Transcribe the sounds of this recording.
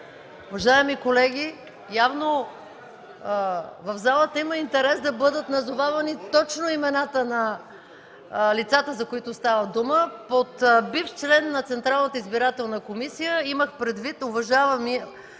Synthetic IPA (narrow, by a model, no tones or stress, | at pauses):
ʊvɐʒaɛmikolɛɡʲi | javno | vəvzalˠət̪əiməint̪ɛɾɛsd̪ɐbɤd̪ət̪nɐzovavɐnit̪ɔt͡ʃnoimɛnat̪ənɐ | lit̪sat̪əzɐkoit̪ʊst̪avəd̪uməpot̪bift͡ʃlɛnːɐt̪sɛnt̪ɾalˠnət̪əizbiɾat̪ɛlˠnəkomisijəiməxpɾɛd̪vit̪ʊvɐʒavəmi